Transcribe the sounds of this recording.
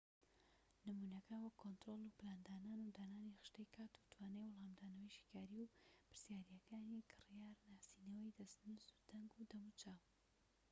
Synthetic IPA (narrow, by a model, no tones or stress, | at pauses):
nɨmunɐkʰɐwɐkʰːont̪ɾolˠuplaːnd̪aːnaːnud̪aːnaːnixɨ̥ʃt̪ɐjkʰaːt̪u̥t̪ʰwaːnejwʊlˠaːmd̪aːnɐwɐjʃi̥kaːɾiwpɨɾsjaːɾijɐkʰaːnikʰɨrijaːɾnaːsinɐwɐjd̪ɐst̪nuzu̥d̪̥ɐŋɡud̪ɐmut͡ʃaw